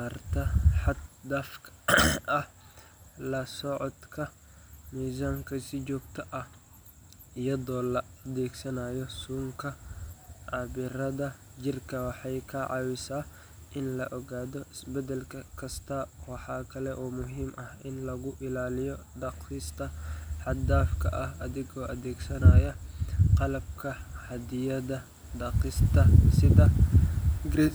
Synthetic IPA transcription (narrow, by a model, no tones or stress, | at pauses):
art̪ʰɐħɑd̪d̪ɐfkʰʔɐh | lɐsɔʕɔd̪kʰɐ | miːsaːŋkʰɐsɪt͡ʃɔːɡt̪ʰɐʔɐh | ɪjɐðɔːlɐʔɐdɛːɡsɐnajɔsuːŋkʰɐ | ʕɑβɪɾɐðɐt͡ʃɪrkʰɐwɑħɑjkʰɐʕɑ̰wɪsaː | ʔɪnlɐʔɔɣaːðɔʔɪsbɛd̪ɛlkʰɐkʰɐst̪ʰɐwɑħɑːkʰɐlɛʔɔːmʊɦiːmʔɐhɪnlɐɣʊʔɪlaːlɪjɔɖɑqɪst̪ʰɐħɑd̪aːfkʰɐ̰ʔɐhʔɐðɪɣɔːʔɐðɛːɡsɐnaːjɐqɑlɐb̚kʰɐħɑd̪ɪjɐðɐ | ɖɑqɪst̪ʰɐsɪðɐ | ɡɾi